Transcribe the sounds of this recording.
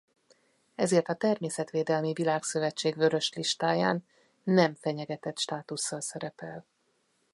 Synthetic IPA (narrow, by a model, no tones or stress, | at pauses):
ɛzeːrt̪ɒt̪ɛrmeːsɛt̪ʋeːd̪ɛlmivilaːksø̞vɛt͡ʃːeːɡvø̞ɾø̞ʃliʃt̪aːjaːnː | ɛɱfɛɲɛɡɛt̪ɛt̪ʃt̪aːt̪usːɒlsɛɾɛpɛl